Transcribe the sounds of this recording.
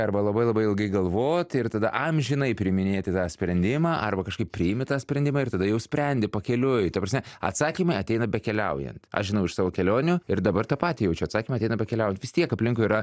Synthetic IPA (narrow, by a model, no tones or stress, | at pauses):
ɐrbɐlˠɐbɐɪlˠɐbɐɪɪlˠɡɐɪɡɐlˠʋoːt̪ɪrt̪ɐd̪ɐʔɐmʒʲɪnɐɪpʲɾʲɪmʲɪnʲeːt̪ʲɪt̪ɑːsʲpʲɾʲɛnʲd̪ʲɪmɑːʔɐrbɐkɐʃkɐɪppʲɾʲɪɪmʲɪt̪ɑːsʲpʲɾʲɛnʲd̪ʲɪmɑːɪrt̪ɐd̪ɐjɛʊsʲpʲɾʲɛnʲd̪ʲɪpɐkʲɛlʲʊjt̪ɐpɾrɐsmʲɛɐ̰t̪sɑːkʲimɐɪɐt̪ʲɛɪnɐbʲɛkʲɛlʲɛʊjɛ̰nt̪ɐ̰ʃʒʲɪnɐʊɪʃsɑːʋoːkʲɛlʲoːnʲʊɪɾd̪ɐbɐrt̪ɑːpɑːt̪ʲijɛʊt͡ʃʲɛɐt̪sɑːkʲimɐɪt̪ʲɛɪnɐbʲɛkʲɛlʲɛʊjɛnt̪ʋʲɪst̪ʲiɛkɐpʲlʲɪŋkʊɪɾɐ